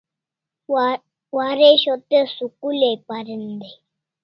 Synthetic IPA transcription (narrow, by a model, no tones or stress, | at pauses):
waɾeɕɔt̪əsukulepaɾənd̪e